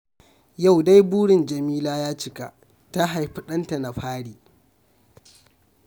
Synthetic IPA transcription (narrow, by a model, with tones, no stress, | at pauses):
ja˦˨wda˦jbuː˦ɽɪ˨nd͡ʒɐ˨miː˦laː˦jaː˦t͡ʃɪ˦ka̰˨ʔ | ta˦ɦa˨jɸʊ˦ɗɐ˦nta˨na˨ɸaː˦ɽiː˨